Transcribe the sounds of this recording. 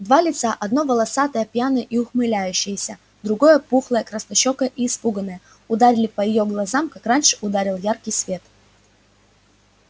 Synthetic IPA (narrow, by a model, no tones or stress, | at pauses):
d̪valʲɪt̪saʔɐd̪no̞vəlˠɐsat̪əjəpjanɨʔiʊxmɨlʲæjʉɕːɪjəsʲə | d̪ɾʊɡo̞jəpuxlˠəjəkɾəst̪ɐɕːokəʔiːspuɡənəjə | ʊd̪aɾʲɪlʲɪpəjɪjoɡlˠɐzamkakranʲʂɨ̥ʔʊd̪aɾʲɪlˠjarkʲɪjsvʲe̞t̪